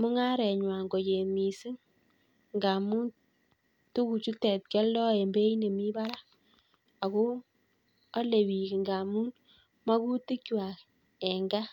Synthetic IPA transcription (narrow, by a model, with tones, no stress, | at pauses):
mʊ˦ŋa˦ɾɛ˨ɲwa˨ŋɡo˨t͡ʃe˨mi˨si˦ŋ | ŋɡa˨mu˦n | tu˦ku˨t͡ʃu˦tɛ˨t̚kɛ˦ldɔ˦ɛ˨mbe˦i˦ne˨mi˦ba˦la˦ | a˨ko˦ | a˦le˨wi˨ki˨ŋɡa˨mu˦n | ma˦ku˦ti˦kwa˨k | ɛ˨ŋɡa˦